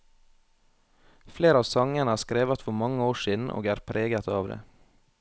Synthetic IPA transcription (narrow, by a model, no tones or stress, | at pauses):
fleːɾəɑːʋsɑŋənəæːskɾeːʋət̪fɔɾmɑŋəoːʃiːd̪n̩ʔo̰ːɡæːɾpʰɾʔeːɡət̪ɑːʋd̪ḛː